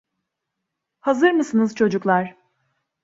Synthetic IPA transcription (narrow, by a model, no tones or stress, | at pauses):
hazɯɾmɯsɯnɯzt͡ʃʰo̞d͡ʒuklˠaɾ̥